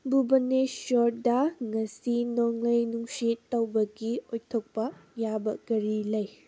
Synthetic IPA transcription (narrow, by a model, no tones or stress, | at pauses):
bubɐneʃɔt̚dɐŋɐsinoŋlɐjnuŋsitːɐwbɐɡiojtʰok̚pɐjabɐɡɐɾilɐj